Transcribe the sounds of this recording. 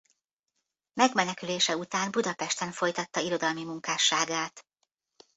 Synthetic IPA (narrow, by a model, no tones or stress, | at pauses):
mɛɡmɛnɛkyleːʃɛut̪aːnbud̪ɒpɛʃt̪ɛnfo̞jt̪ɒt̪ːɒiɾo̞d̪ɒlmimuŋkaːʃːaːɡaːt̪